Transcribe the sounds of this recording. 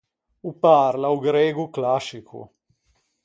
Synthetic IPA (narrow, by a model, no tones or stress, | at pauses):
upaɾlauɡɾɛːɡuklasikʰṵ